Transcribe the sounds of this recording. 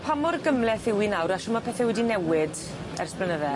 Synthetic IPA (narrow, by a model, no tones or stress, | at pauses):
pʰamɔrɡəmlɛθɪwinawɾaʃɔmapʰɛːθɛwɛdinɛwɪd | ɛ̰rsblɛnəðɛ